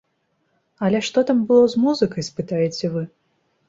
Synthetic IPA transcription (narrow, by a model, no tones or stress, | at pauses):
ɐlʲɛʂt̪ɔt̪ambɨlˠɔzmuzɨkɐjspɨt̪ajɛt͡sʲɛvɨ